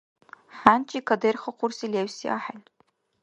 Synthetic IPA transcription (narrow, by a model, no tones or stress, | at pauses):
ħant͡ʃʼikʰɐderχɐqʷʰʊrsilewsiʔa̰ħan